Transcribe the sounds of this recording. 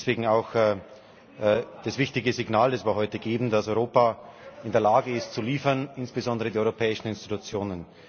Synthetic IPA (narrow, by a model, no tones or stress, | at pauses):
sv̥eːɡŋ̩aʊx | d̥asv̥ɪçtɪɡəzɪɡnaːldasv̥ɪɐhɦɔʏtəɡeːbm̩dasɔʏʁoːpaʔɪndeːɐlaːɡəɪstt͡suliːfɐnɪnsb̥əzɔndəʁədiːɔʏʁopʰɛːɪʃn̩ɪnstitut͡sjoːnən